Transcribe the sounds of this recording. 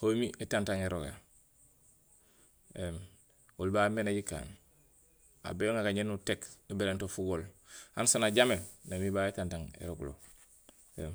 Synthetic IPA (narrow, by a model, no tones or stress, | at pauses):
homiʔetantaŋeɾoɡa̰ | em | olbamenaɟika̰ːn | a̰bejoŋaɡaɲenutekubelentofuɡolhansanaɟamelnamibaːetantaŋḛɾoɡlo̰ | em